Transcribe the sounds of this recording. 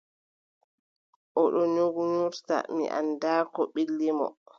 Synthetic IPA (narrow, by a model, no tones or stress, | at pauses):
ʔɔɗɔɲoɡuɲuɾta̰mḭʔa̰ndaːkɔɓilːimɔ̰